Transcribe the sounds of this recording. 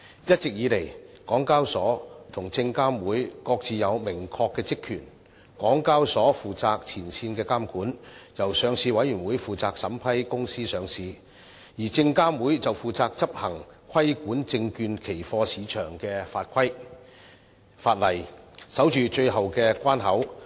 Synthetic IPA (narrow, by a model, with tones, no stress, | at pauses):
jɐ˥t̚t͡sɪ˨k̚jiː˨˧le˨˩jkɔː˨˥ŋkaː˥wsɔː˨˥t̪ʰʊ˨˩ŋt͡sɪ˧ŋkaː˥mwuː˨˥jkɔː˧k̚t͡siː˨jɐ˨˧wmɪ˨˩ŋkʰɔː˧kːɛː˧t͡sɪ˥kʰːyː˨˩n | kɔː˨˥ŋkaː˥wsɔː˨˥fuː˨t͡saː˧k̚t͡sʰiː˨˩nsiː˧nkɛː˧kaː˥mkuː˨˥njɐ˨˩wsœː˨˧ŋsiː˨˧wɐ˨˥jyː˨˩nwuː˨˧˥jfuː˨˩t͡saː˧k̚sɐ˨˥mpʰɐ˥jkʊ˥ŋsiː˥sœː˨˧ŋsiː˨˧ | jiː˨˩t͡sɪ˧ŋkaː˥mwuː˨˥jt͡sɐ˨wfuː˨˧t͡saː˧k̚t͡sɐ˥p̚hɐ˨˩ŋkʰɐ˥jkuː˨˥nt͡sɪ˧ŋkyː˧nkʰe˨˩jfɔː˧siː˨˧t͡ʃʰœː˨˩ŋkɛː˧faː˧t̚kʰɐ˥j | faː˧t̚lɐ˨˩jsɐ˨˥wt͡ʃyː˨t͡ʃɵ˧ɥɦɐ˨wkɛː˧kʷaː˥nɦɐ˨˥w